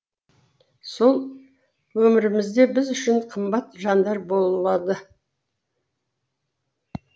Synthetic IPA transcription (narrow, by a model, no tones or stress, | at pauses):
so̞lˠ | wɵmɪɾɪmɪzd̪e̞bɪzʏʃɪɴqʰəmbɑt̪ʒɑnd̪ɑɾbo̞lˠəbɑd̪ə